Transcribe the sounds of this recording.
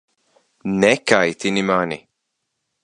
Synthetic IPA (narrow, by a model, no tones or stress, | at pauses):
nɛkajt̪inimaːnḭ